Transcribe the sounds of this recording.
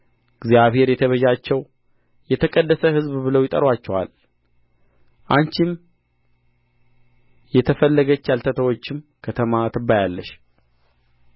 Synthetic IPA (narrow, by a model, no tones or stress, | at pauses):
ɪɡzjaβhe̞ɾjɛt̪ʰəβəd͡ʒat͡ʃːɛw | jɛt̪ʰəkʼəd̪ːəsəhɨzbbɨləwjɪt̪ʼə̰ɾwat͡ʃːɛwa̰l | ʔaɲt͡ʃim | jɛt̪ʰəfəlːəɡət͡ʃːalt̪ʰət̪ʰəwo̞t͡ʃːɪmkʰət̪ʰəmat̪ʰɨbːajalːəʃ